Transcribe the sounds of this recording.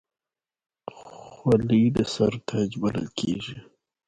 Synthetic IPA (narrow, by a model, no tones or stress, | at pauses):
xwalid̪əsaɾt̪ʰad͡ʒbalə̰lkʰeʒi